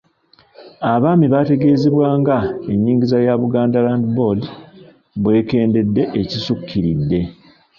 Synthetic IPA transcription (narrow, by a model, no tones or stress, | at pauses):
aβaːmiβate̞ɡe̞ːzeβwaːŋɡae̞ɲːiːɲɟizajaβuɡaːndalaːndibo̞li | bwe̞ːke̞ːnde̞dːe̞ʔecisukʰːiɾidːe̞